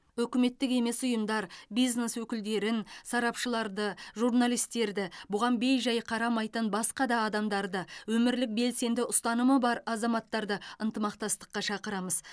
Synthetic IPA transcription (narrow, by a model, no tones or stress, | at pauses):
ɵkʲɪme̞t̪ːɪke̞me̞sʊjəmd̪ɑɾbijzne̞swɵkʲɪld̪e̞ɾɪnsɑɾɑpʃəlˠɑɾd̪əʒuɾnalˠijst̪e̞ɾd̪ɪbʊʁɑnbejʒɑjqʰɑɾɑmɑjt̪ənbɑsqɑd̪ɑːd̪ɑmd̪ɑɾd̪əwɵmɪɾlɪk̚be̞lse̞nd̪ɪʔʊst̪ɑnəməbɑɾɑzɑmɑt̪ːɑɾd̪əənt̪əmɑq̚t̪ɑst̪ə̥qːɑʃɑqəɾɑməz